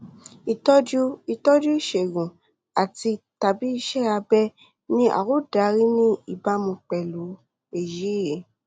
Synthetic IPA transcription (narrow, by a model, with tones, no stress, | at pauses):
i˨tɔ˦d͡ʒu˦i˧tɔ˦d͡ʒu˦i˦˨ʃe˨ɡũ˨ | a˨ti˧ta˧bi˦i˧ʃɛ˦a˧bɛ˦ | nĩ˦ʔa̰˨wo˦da˨˦ɾi˦nĩ˦i˨ba˧˦mũ˧k͡pɛ˨lu˨˦ | e˦˨ji˨˦je˨˦